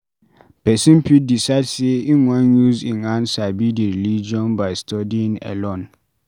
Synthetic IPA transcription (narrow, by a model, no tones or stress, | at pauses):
pʰɛsĩmpʰidisaɪdseĩnãnjuzĩnãnsabidiɾilid͡ʒiɔ̃nbaɪstʰɔdĩnɛ̰lõn